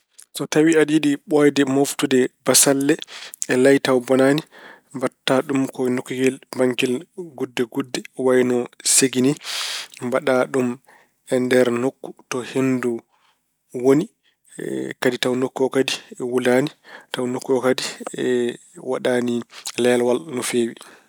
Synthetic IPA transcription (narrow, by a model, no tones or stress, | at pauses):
sɔtawiadiɗiɓɔjdɛmoftudɛbasalːɛɛlajtawbɔnani | mbatːaɗumkɔnokːuɡɛlbaŋkɛlɡudːɛɡudːɛwajnɔseɡinimbaɗaɗum | ɛndɛɾnokːu̥tɔhendu | woni | kaditawnokːuɔkadiɛwulanitawnokːuɔkadiɛ | waɗanilɛjalwalnɔfeːwi